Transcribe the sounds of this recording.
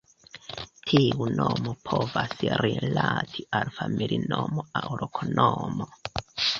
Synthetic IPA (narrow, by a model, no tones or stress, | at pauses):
tʰiunomopʰovasɾilatʰiʔalfamilʔinomoawɾokʰonomo